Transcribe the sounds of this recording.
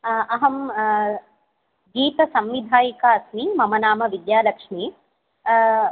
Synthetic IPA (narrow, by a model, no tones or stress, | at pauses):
ɐɦɐm | ɡiːt̪ɐsɐmʋid̪ʱaːjikaːɐsmiːmɐmɐnaːmɐʋid̪jaːlɐkʂmiː